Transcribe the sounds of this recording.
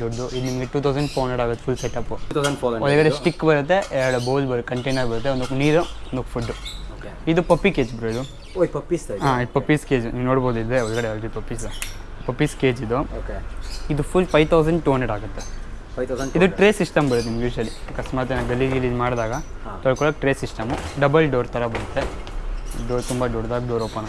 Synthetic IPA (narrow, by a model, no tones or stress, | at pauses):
d̪ɔɾd̪uʔid̪unimɐɡeʈuːt̪ʰɐwsɐɳɖfʰoːɾɦɐɳɖeɽaːɡut̪ːefʰulseʈɐpːut̪ʰɐɐɳːɔlɡɐɽesʈikːbɐɾut̪ːe̞ɛɾɐɽuboːlbɐɾ̚kɐɳʈejnaːɡbɐɾut̪ːeond̪kːniːɾuɔnd̪okːpʰuɖːuokeid̪upɐpːikeːd͡ʒbɐɾoid̪u | oːjpɐpːisaːid̪pɐpːiskeːd͡ʒuniːʋnoːɽboːd̪uid̪eɔlɡɐɽelʈid̪pɐpːisepɐpːiskeːd͡ʒid̪uokeid̪upʰulpʰɐjt̪ʰɐwsɐɳɖʈuːɦɐnɖɐɽaːɡut̪ːe | id̪uʈɾeːsisʈɐmbɐɾut̪ːeimɖiʋiʃɐlikɐsʈmaːt̪̬enaɡɐlːiɾiliːd͡ʒmaːɽd̪aːɡɐ | t̪ɐɭkɔɭɐkʈɾeːsisʈɐmuɖɐbɐlɖoːɾt̪ɐɾɐbɐɾut̪ːe | ɖoːɾt̪umbɐɖoːɽd̪aːɡɖoːɾoːpɐn